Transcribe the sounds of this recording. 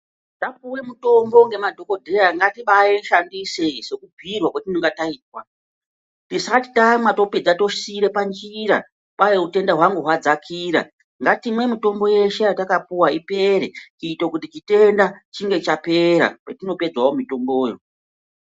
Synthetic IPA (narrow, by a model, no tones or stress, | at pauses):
tap̚uwe̞muto̞mbo̞ŋɡe̞madʱo̞ko̞dʱejaŋɡatiɓajeʃandise̞se̞kub͡vʱirwakwatinoŋɡataiːt̚wa | tisati̥tamato̞ped͡zato̞ʃiɾe̞pand͡ʒiɾa̰ | ɓajeute̞ndaɦwaŋɡuɦwad͡zakʰiːɾa̰ | ŋɡatimwe̞mito̞mbo̞je̞ʃe̞jatakapuwaipe̞ɾekiitokutit͡ʃite̞ndat͡ʃiŋɡe̞t͡ʃape̞ɾa̰ketino̞pe̞d͡zwawomito̞mboːjo